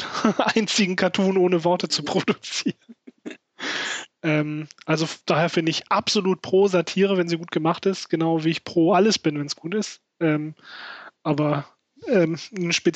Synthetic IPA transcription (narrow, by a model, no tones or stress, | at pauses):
ʔaɪnt͡sɪɡŋ̩kʰatʰuːnʔoːnəvɔɐtət͡supʁ̥odut͡siːʁən | ʔɛːmʔalzofd̥aːheːɐfɪndəɪçʔapz̥oluːt̚pʁ̥oːzatʰiːʁəvɛnziːɡuːt̚ɡ̥əmaχtɪstɡ̥ənaʊviːɪçpʁ̥oːʔaləsb̥ɪnvɛnsɡ̥uːtɪst | ʔɛːm | ʔaːbɐ | ʔɛːmnʃpe